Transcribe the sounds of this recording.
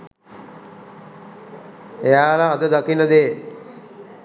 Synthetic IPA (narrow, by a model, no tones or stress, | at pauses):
ejaːlaːd̪əd̪akinːəd̪eː